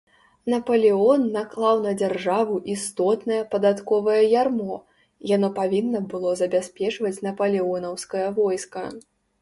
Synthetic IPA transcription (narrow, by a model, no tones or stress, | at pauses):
nɐpɐlʲiɔnːaklˠawnɐd͡zʲarʐavuʔist̪ɔt̪nɐjɛpɐd̪at̪kɔvɐjɛjarmɔ | janɔpavʲinːɐbɨlˠɔzɐbʲasʲpʲɛt͡ʂvɐt͡sʲnɐpɐlʲiɔnɐwskɐjɐvɔjskɐ